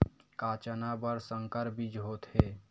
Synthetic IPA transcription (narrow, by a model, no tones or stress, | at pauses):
kaːt͡ʃənabəɾsəŋkəɾbid͡ʒɦoːt̪ɦeː